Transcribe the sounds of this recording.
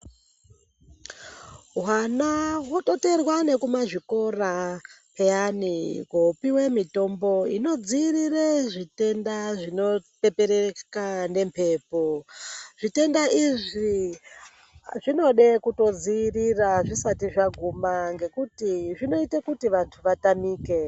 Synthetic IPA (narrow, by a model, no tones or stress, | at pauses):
ɦwanawoto̞te̞rwane̞kumaʐiko̞rapʰejanikopiwe̞mito̞mbo̞ḭno̞d͡ziːrireʐite̞ndaʐino̞pe̞peɾekane̞mpʰe̞ːpoʐ̥ite̞ndaʔiʐi | ʐino̞ɗe̞kuto̞d͡ziːriraʐisatiʐaɡʱumaŋɡe̞kutiʐino̞itekutiʋantʰuʋatamiːke̞